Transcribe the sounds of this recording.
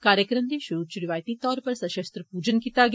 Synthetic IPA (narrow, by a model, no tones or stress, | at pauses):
kaːɾjəkɾəmd̪iʃʊɾuːt͡ʃʊɾɪʋaːjt̪it̪ɔːɾpɐɾsɐʃəst̪ɾəpuːd͡ʒənkiːt̪aɡ